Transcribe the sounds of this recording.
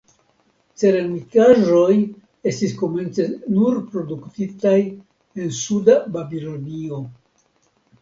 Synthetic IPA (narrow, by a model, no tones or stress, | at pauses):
t͡se̞ɾamikaʒo̞j | e̞stisko̞me̞nt͡se̞nuɾpɾo̞duktitaj | e̞nsudababilo̞nio̞